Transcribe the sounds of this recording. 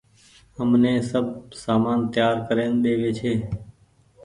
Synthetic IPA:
ɦəmnẽːsəb̚saːmaːnt̪jaːɾkəɾeːnɗeːʋeːt͡ʃʰeː

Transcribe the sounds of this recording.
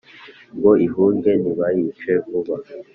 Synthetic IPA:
ŋɡoiɦuːŋɡeniβajit͡ʃevuβa

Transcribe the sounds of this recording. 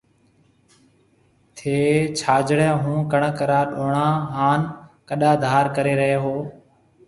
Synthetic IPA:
t̪ʰeːt͡ʃʰaːd͡ʒɽẽːɦũːkəɳkəɾaːɗoːɳãːɦaːnkəɗaːd̪ʱaːɾkəɾeːɾəɦeːɦoː

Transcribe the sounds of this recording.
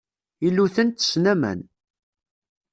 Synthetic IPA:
ilːuθənt̪ə̥snæmæ̰n

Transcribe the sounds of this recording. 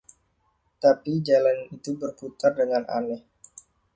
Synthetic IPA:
t̪apid͡ʒalanit̪ubərput̪ardəŋanʔa̰nɛh

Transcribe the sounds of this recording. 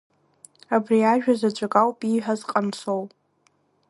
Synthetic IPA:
abriaʒᶣazat͡ʃʷʼakʼawpʼiħʷᶣazqʼamsow

